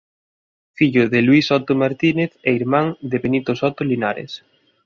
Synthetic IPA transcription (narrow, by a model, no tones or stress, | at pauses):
fiʎʊðɪluisɔt̪omaɾt̪ineθɛiɾmãŋd̪eβenit̪osɔt̪olinaɾḛs